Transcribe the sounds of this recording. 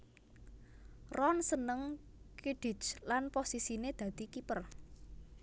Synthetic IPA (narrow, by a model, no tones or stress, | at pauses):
rɔnsənəŋ | kiɖ̥i̤t͡ʃlanposisined̪̥ä̤d̪̥i̤kipər